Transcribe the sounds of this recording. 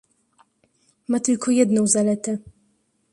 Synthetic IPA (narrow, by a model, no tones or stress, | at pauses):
mat̪ɘlkʰɔjɛd̪nɔ̃w̃zalɛt̪ɛ